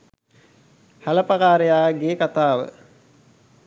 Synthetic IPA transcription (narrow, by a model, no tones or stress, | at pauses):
hæləpakaːɾejaːɡeːkat̪aːʋə̰